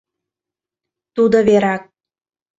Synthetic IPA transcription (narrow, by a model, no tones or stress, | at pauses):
t̪ud̪oβeɾɑk̚